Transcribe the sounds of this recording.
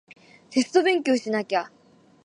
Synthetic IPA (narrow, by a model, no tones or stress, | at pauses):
t̪e̞sɨ̥t̪o̞bẽ̞ŋk̬ʲjo̞ːɕinakʲa